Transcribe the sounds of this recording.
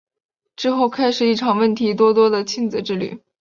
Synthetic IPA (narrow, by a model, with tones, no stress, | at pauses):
ʈ͡ʂɻ̩˥˧xo˥˩ʊkʰa˥ɪʂɻ̩˨˩i˥˩ʈ͡ʂʰɑ˨˩ŋwə˥˩nt̪ʰi˧˥t̪̬wɔ˥t̪wɔ˥d̪ə˨t͡ɕʰi˥˧nd͡zɹ̩˨˧˩ʈ͡ʂɻ̩˥˧ly̰˥˩